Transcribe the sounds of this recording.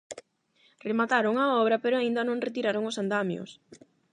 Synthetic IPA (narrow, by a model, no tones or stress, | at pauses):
remat̪aɾʊŋaɔβ̞ɾɐpeɾʊaind̪ɐnõŋret̪iɾaɾoŋʊsand̪amjo̰s